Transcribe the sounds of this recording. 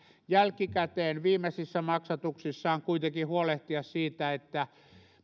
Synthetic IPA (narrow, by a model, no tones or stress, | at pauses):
jælkikæt̪eːnʋiːmːesisːæmɑksɑt̪uksisːɑːŋkuit̪ekihuoleht̪iɑssiːt̪æet̪ːæ